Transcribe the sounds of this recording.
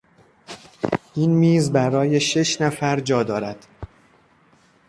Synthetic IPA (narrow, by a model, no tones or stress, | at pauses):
ʔiːnmiːzbæɾɒːje̞ʃe̞ʃnæfæɾd͡ʒɒːd̪ɒːɾæd̪̥